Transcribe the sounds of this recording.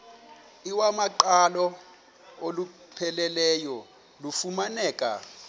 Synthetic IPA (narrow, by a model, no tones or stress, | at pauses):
iwamaǃalɔ | olu | pʰɛlɛlɛjɔ | lufumanɛːkʼa̰